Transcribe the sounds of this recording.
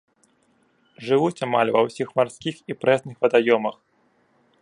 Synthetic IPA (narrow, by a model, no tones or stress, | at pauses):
ʐɨvut͡sʲama̰lʲvɐwsʲixmarsʲkʲixipɾɛsnɨxvɐd̪ajɔmɐx